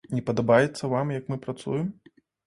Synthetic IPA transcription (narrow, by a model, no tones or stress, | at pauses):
nʲɛpɐd̪abajɛt̪sːɐvamjɐkmɨpɾat̪sṵjɛm